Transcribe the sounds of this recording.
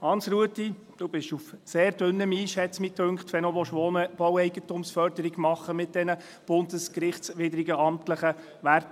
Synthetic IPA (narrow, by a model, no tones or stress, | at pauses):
hɑnsɾuətːi | d̥ub̥ɪʃufseːɾdʏnːəmiːʃɛt͡smit̪ʰøŋkχt̪ʋɛnoʋɔʃonb̥ɔwɛɪɡətumsfœɾdəɾiɡmɑχːəmɪt̚d̥ɛnə | b̥ʊndəskɾɪχtt͡ssʋɪdɾɪɡəɑmtləχə | ʋært